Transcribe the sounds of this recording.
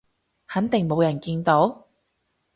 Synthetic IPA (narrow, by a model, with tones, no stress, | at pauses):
hɐ˨˥nt̪ɪ˨ŋmo˨˧wjɐ˨˩nkiː˧nt̪o˨˥w